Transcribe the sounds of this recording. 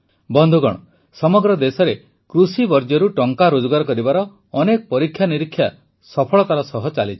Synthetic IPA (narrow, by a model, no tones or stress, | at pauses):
bɔnd̪ʱuɡɔɽ̃ɔ | sɔmɔɡɾɔd̪esɔɾe | kɾusibɔɾd͡ʒɔɾuʈɔŋkaɾod͡ʒɔɡaɾɔkɔɾibaɾɔː | nekɔpɔɾikʰːjaniɾikʰːja | sɔpʰɔɭɔt̪aɾɔsɔɦɔt͡ʃalit͡ʃʰi̥